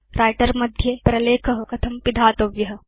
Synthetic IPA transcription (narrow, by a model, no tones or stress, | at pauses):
ɾʔaːjʈɐɾmɐd̪ʱjepɾɐleːkʰɐɦɐ̆kɐt̪ʰɐmpid̪ʱaːt̪oʋjɐɦɐ̆